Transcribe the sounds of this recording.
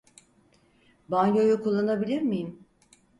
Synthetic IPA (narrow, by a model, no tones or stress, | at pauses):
banjo̞jukʰulˠːanabilʲiɾmijim